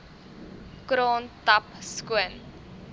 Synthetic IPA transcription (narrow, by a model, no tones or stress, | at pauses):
kɾɑːntɐpskuən